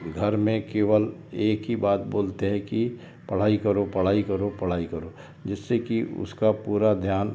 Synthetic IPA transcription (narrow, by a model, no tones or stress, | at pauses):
ɡʱɐɾmẽkeːʋəleːkɦibaːt̪̚boːlt̪eɦɛ̃ki | pɐɽ̤aːikɐɾopɐɽ̤aːikɐɾopɐɽ̤aːikɐɾoː | d͡ʒɪsːekiʊ̰skapuːɾad̪ʱjaːn